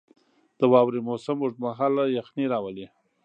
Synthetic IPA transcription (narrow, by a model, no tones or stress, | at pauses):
d̪̥əwɑwɾimosamːuʐmaɦɑlajaxniɾɑwəli